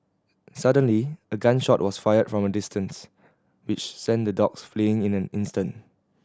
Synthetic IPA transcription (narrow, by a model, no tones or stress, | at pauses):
sadə̃nliəɡãnʃɔt̚wɔsfajəd̥fɹɔ̃mədɪstʰə̃ns | wɪt͡ʃsɛ̃ndədɔksfliɪ̃ŋɪ̃næ̃nɪ̃nstə̃nt